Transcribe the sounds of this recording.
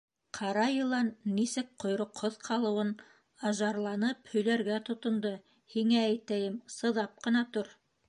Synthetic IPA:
qʰɑɾɑjɤ̆lˠɑnːisɘk̚qŏjɾŏqhoðqʰɑlˠɤ̆wɤn | ɑʒɑɾlˠɑnɤphɵ̆jlæɾɡæt̪ŏt̪ŏnd̪o | hiŋææjt̪æjɘmsɤ̆ðɑp̚qɤ̆nɑt̪oɾ

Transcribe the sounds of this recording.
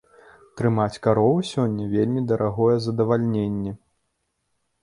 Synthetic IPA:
t̪ɾɨmat͡sʲkaɾɔvɨsʲɔnʲːɐvʲelʲmʲid̪ɐɾʔaɣɔjɛzɐd̪ɐvalʲnʲenʲːɛ

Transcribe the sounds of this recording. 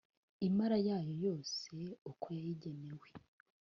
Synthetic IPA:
imaɾajaːjo̞jo̞ːse̞ukʰo̞jajiɟe̞ne̞we̞

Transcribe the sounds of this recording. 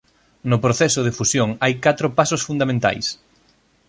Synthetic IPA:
nʊpɾoθɛsʊð̞ɪfusjoŋajkat̪ɾʊpasosfund̪amẽnt̪a̰js

